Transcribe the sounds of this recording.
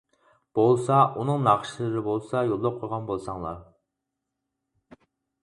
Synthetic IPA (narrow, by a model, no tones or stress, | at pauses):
b̥olˠsɑʔunɨŋnɑʁʃlˠɨɾɪbolˠsɑjolˠːɑp̚qʰojʁɑnbolˠsɑŋlˠɑ̰ɾ